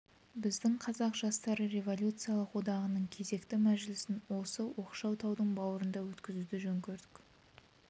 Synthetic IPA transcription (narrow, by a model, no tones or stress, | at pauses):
bɪzd̪ɪɴqʰɑzɑqʒ̥ɑst̪ɑɾəɾe̞vo̞lʲjut̪sɨjalˠəqwo̞d̪ɑʁənəɴkʲʰe̞ze̞kt̪ɪmæʒɪlɪsɪnwo̞səwo̞qʃɑwt̪ʰɑwd̪əɴbɑwəɾənd̪ɑwɵt̪kʲɪzud̪ɪʒɵŋkʲʰeɾd̪ɪ̥k